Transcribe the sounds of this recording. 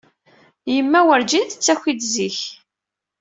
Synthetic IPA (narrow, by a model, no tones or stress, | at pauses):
jəmːæwəɾd͡ʒinθət͡sːæçid̪ziç